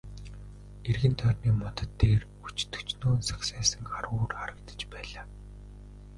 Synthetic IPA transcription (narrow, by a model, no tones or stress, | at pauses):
erɣɘ̆nt̪ʰœrʲniːmɔt̪ə̆t̪ːeːr | ut͡ɕt̪ʰɵ̥t͡ɕnoːnsḁksæːsə̆ŋχaɾʊːrχaɾə̆kt̪ə̥̆t͡ɕpæːɮaː